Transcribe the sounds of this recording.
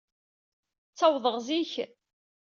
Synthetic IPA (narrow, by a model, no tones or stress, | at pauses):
t͡sːɑwðˤəʁziç